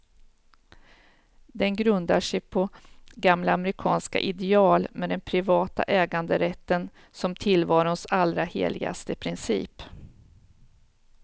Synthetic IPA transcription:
d̪ɛnɡɾɵnd̪aʂɛjpʰɔɡamlaːmɾɪkʰɑ̰ːnska̰ʔɪd̪ɛɑːlmɛd̪ɛnpʰɾɪvɑːt̪a̰ʔɛːɡand̪əɾɛt̪ːən | sɔmt̪ʰɪlvɑːɾʊnsalɾahḛːlɪɡa̰st̪əpʰɾɪnsḭːp

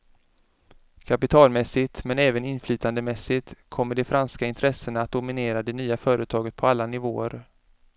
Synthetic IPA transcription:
kʰapɪt̪ʰɑːlmɛsːɪt̪mɛnɛːvənɪnflyːt̪ʰand̪əmɛsɪt̪kʰɔmːəɖɛfɾanskaɪnt̪ʰɾɛsənaaːt̪̚d̪ʊmɪneːɾad̪ɛnyːafœːɾət̪ʰɑːɡət̪̚pʰɔalːanɪvoːəɾ

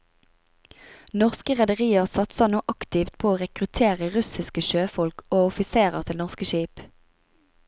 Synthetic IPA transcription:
nɔʁskəʁɛd̪əʁiːəʁsɑt̪sɑnuːʔɑkt̪ɪft̪̚pʰoːoːʁɛkʁʉt̪ʰeːʁəʁʉsɪskəʃøːfɔlkoːʊfɪseːʁəʁt̪ʰɪlnɔʁskəʃiːp

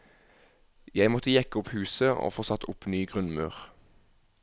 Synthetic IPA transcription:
jæɪmɔt̪əjɛkəʊphʉːsəʔo̰ːfoːsɑt̪ʊpnyːɡʁʉnmɑːʁ

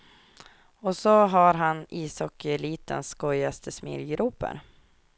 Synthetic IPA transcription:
ɔsɔɦaɾɦaniːsɔkːəɛliːt̪ə̰nskɔjast̪ʰəsmḭɾɡɾuːpə̰ɾ

